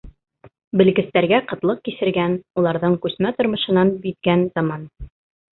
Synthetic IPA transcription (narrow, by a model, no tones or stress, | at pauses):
bɘ̆lɡɘ̆st̪æɾɡæqɤ̆t̪lˠɤq̚kisɘ̆ɾɡænulˠɑɾðɤɴkʉsmæt̪ŏɾmɤ̆ʃɤ̆nɑnbit̪ɡænzɑmɑn